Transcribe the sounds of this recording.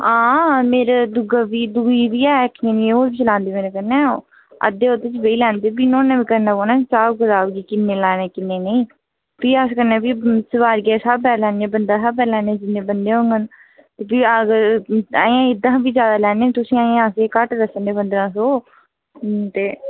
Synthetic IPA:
ãːmeːɾad̪ʊɡaːbiːd̪uːiːbiːɛːkʰnẽːnĩːoːbiːt͡ʃəlãːnd̪eːmeːnãːkəɾnɛ̃ː | ə̰d̪eːot̪ːɪt͡ʃbeiːlɛːnd̪eːbiːnõːneːbiːkəɾnãːkoːnãːsaːɡəzaːʋɡiːkɪnːeːlɛːnẽːkɪnːeːneĩː | piːaskəɾnɛ̃ːbiːsəʋaːɾɡɛːsabɛːlɛːnãːbənd̪ãːsapɛːlɛːnːd͡ʒɪnːẽːbənd̪eːɦõːŋɡən | t̪eːbiːəɡəɾaːjãːɪd̪ãːbiːd͡ʒjaːd̪aːlɛːneːt̪ʊsĩːaːjãaseːkəʈɾəsəndeːpənd̪ɾãːsoː | t̪eː

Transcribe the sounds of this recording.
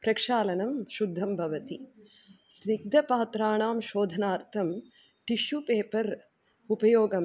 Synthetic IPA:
pɾɐkʂaːlɐnɐmʃud̪ʱːɐmbʱɐʋɐt̪i | sɾik̚d̪ʱɐpaːt̪ɾaːɳaːmʃoːd̪ʱɐnaːɾt̪ʰɐm | ʈiʃupeːpɐɾ | upɐjoːɡɐm

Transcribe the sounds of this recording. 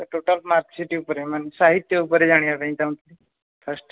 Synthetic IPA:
t̪əʈoʈəlmatsiʈiupɾemənsaɦit̪jəupəɾed͡zaɽ̃ijakaĩt̪am̃t̪li | fʰəsʈ

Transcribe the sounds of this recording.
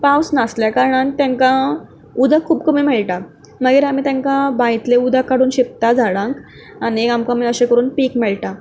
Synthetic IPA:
pawsnasljakaɾɳant̪jãŋkã | ud̪ʱakʰːuːpkəmiːmɛɭʈa | məɡiːɾam̤iːt̪jãŋkãbãit̪leud̪ʱakːaɽuːnɕip̚t̪ad͡zʱaɭãŋk | aɽ̃iamkamiːəɕekəɾuːnpiːkmɛɭʈa

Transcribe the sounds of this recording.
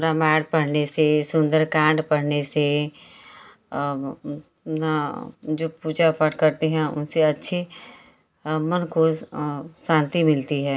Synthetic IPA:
pːɾamɛːɽpɐɽ̤nesesʊ̃nd̪əɾkãːɳɖpɐɽ̤nese | nad͡ʒoːpuːd͡ʒapəʈkɐɾt̪eɦɛ̃ʊ̰nseɐtːʃʰe | mɐnko | ʃãːnt̪imɪlt̪iɦɛː

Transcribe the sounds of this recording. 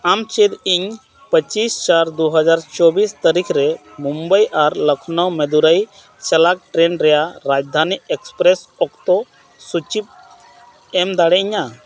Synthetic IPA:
amt͡ʃed̪iɲ | pət͡ʃist͡ʃaɾd̪uɦəd͡ʒaɾt͡ʃɔbist̪əɾikʰɾɛ | mumbəjʔaɾləkʰnəwmed̪uɾəj | t͡ʃɛlak̚ʈɾenɾɛjaɾad͡ʒd̪ʱaniekspɾɛsɔkt̪ɔ | sut͡ʃip̚ | ɛmd̪aɽɛiɲa

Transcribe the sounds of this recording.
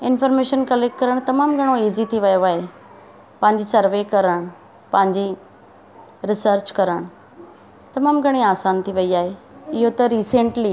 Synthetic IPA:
ɪnfəɾmeʃənkɐlek̚ʈ̚kɐɾəɽ̃t̪ɐmaːmɡʱɐɽ̃oiːzit̪ʰiʋɐjoaɦe | pɐ̃ɦɪ̃ɲd͡ʑisəɾʋekɐɾəɽ̃ | pɐ̃ɦɪ̃ɲd͡ʑi | ɾɪsəɾt͡ɕkɐɾəɽ̃ | t̪ɐmaːmɡʱəɽ̃iaːsaːnt̪ʰiʋəiaːɦe | ɪɦot̪ɐɾiːseɳʈli

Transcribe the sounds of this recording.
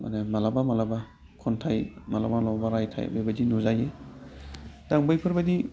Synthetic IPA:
a̰nemalabamalaba | kʰɔntʰajmalabalɔbaɾajtʰa̰j̰bejbadinuzaje | d̥aŋbɯjpʰɯɾbɐdi

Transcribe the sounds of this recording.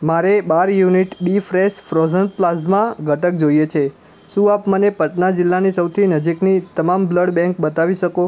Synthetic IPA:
maɾebaɾjuniʈbifɾeʃfɾozəɳʈ̚plasmãɡʱəʈək̚d͡ʒoijet͡ʃʰe | ʃũapmənepəʈnad͡ʒɪlːanisəwt̪ʰinəd͡ʒiknit̪əmambləɽbɛ̃ŋkbət̪aʋiʃəko

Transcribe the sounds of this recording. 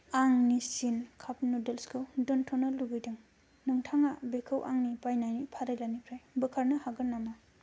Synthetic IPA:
aŋnisinkʰap̚nudelskʰɯdɔntʰɔnɯlubɯjdɯŋ | nɯŋtʰaŋabekʰɯwʔaŋnipajnajnipʰaɾajlanikʰɾajbɯkʰaɾnɯhaɡɯnːama

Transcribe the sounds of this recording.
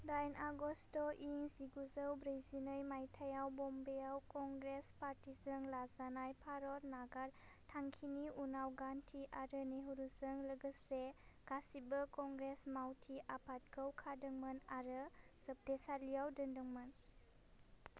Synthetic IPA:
dajnʔaɡɔstɔʔiŋziɡuzəwbɾajzinɯjmajtʰajawbɔmbejawkɔŋɡɾespaɾtizəŋlazanajpʰaɾɔtnaɡaɾ | tʰaŋkʰiniunawɡantʰiʔaɾəneɦuɾuzəŋləɡəseɡ̥asibəkɔŋɡɾesmawtʰiʔapʰat̚kʰəwkʰadəŋmɯnaɾɯz̥əp̚desalijawdəndəŋmɯn

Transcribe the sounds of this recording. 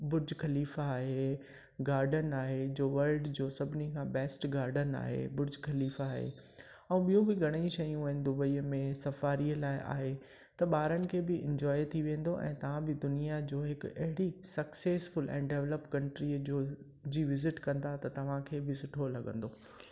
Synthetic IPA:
bʊɾd͡ʑkɐliːfaːɦe | ɡaːɾɖənaːɦed͡ʑoːʋɐlɖd͡ʑoːsɐbʱɪnikʰãːbɛːsʈɡaːɾɖəna̰ːɦḛbʊɾd͡ʑʱxɐliːfaːɦḛ | ɛ̃ũɓijõbɪɡʱɐɽ̃əĩʃɐjũɐɦɪnɪ̆d̪ʊbəiːəmẽsɐfaːɾiəlaːɪʔa̰ːɦe | t̪ɐɓaːɾənɪ̆kʰeːbɪɪ̰̃ɲd͡ʑɔːjt̪ʰiʋẽːn̆d̪oʔɛ̰̃ːt̪ɐʋ̤ãbɪd̪ʊnijad͡ʑoːɦɪkɐɦɪɽisɐkseːsfʊlɛ̰̃ːɖeʋləpkɐ̃ɳʈɾid͡ʑoː | d͡ʑiːʋɪzɪʈkɐ̃nd̪at̪ɐt̪ɐʋ̤ãkʰeːbɪsʊʈʰolɐɠə̃nd̪oː

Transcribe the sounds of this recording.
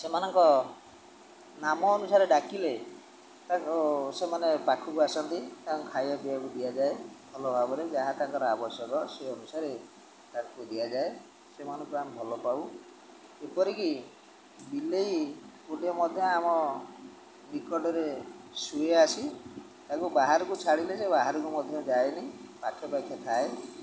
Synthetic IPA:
semanɔŋkɔ | namɔːnusaɾeɖakile | t̪aŋkɔsemanebakʰukuasɔnt̪it̪aɔ̃ŋkʰajɔbiakud̪iad͡ʒaebʱɔlɔbʱabɔɾed͡ʒaɦat̪aŋkɔɾɔabɔsjɔɡɔseɔnusaɾe | ɖakʰukud̪iad͡ʒae | semanɔpuambʱɔlɔpaw | epɔɾiki | bileipuɖijɔmɔd̪ʱjɔ̃amɔ | bikɔɖɔɾesueasi | t̪akubaɦaɾɔkut͡ʃʰaɽilesebaɦaɾɔkumɔd̪ʱjɔ̃d͡ʒaenipakʰːjɔpakʰːjɔt̪ʰae

